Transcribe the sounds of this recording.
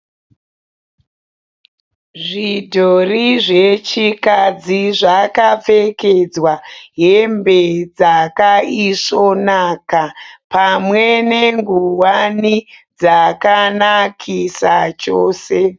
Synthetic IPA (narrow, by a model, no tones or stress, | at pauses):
ʐidʱoriʐe̞t͡ʃikad͡ziʐakap͡fe̞ke̞d͡zwaɦe̞mbed͡zakaiso̞nakapamwe̞ne̞ŋɡuwanid͡zakanakʰisat͡ʃoːse̞